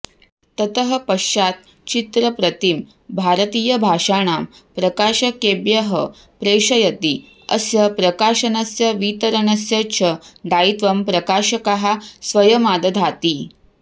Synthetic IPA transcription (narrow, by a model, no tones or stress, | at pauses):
t̪ɐt̪əɦəpɐʃat̪̚ | t͡ɕit̪ɾəpɾɐt̪im | bʱaɾət̪iːjɐbʱaʂaɳ̃aːm | pɾɐkaːʃɐkebjɐɦə | pɾeːʂɐjɐt̪i | ɐ̰sjɐpɾɐkaːʃɐnɐsjɐʋit̪əɾənɐsjɐt͡ɕʰɐd̪ait̪ʋɐmpɾɐkaʃɐkɐɦasʋɐjɐmad̪ɐd̪ʱat̪iː